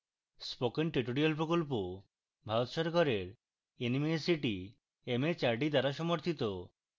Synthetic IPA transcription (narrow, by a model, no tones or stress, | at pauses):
spokenʈɾiʈoɾialpɾokolp̬o | bʱaɾot̪ʃɔɾkaɾeɾ | enimesiʈi | emet͡ɕaɾʈid̪aɾaʃɔmoɾt̪ʰit̪o